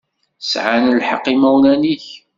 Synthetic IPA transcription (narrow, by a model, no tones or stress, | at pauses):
sʕanəlħɑ̰qːimæwlæniç